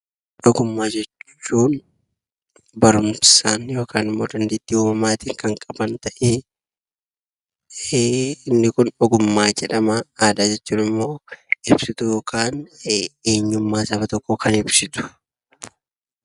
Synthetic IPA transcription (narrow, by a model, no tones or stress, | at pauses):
ᶑɔɡʊmːaːd͡ʒɛt͡ʃːuːn | bɐɾʊmsaːnjo̞ːkʰaːnɪmːo̞ːd̪ɐnd̪id̪ːiːuːmɐmaːt̪iːŋkɐŋkʼɐbɐnt̪ɐʔeː | ɪnːɪkʊnɔɡʊmːaːd͡ʒɛᶑɐmɐaːd̪aːd͡ʒɛt͡ʃːuːnɪmːo̞ːɪbsɪt̪ʊjoːkʰaːneːɲːʊmːaːsɐbɐt̪ɔkːɔkʰɐnɪbsɪt̪ʊ̥